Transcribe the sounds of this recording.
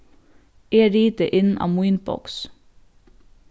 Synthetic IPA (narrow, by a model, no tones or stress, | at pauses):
eːɾiːt̪əʔɪnɑ̰ːmʊiːnbɔ̰ks